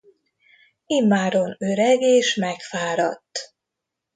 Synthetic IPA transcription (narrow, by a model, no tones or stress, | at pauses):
imːaːɾonøɾɛɡeːʃmɛkfaːɾɒt̪ː